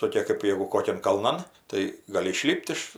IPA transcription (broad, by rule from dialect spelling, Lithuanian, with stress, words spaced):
toːˈkʲeː kɜp ˈjeːɡʊ ˈkoːkʲɛn kɐlˠˈnɐn tɐɪ ɡɐˈlʲɪ ɪˈʃʲlʲɪpʲtʲ ɪʃ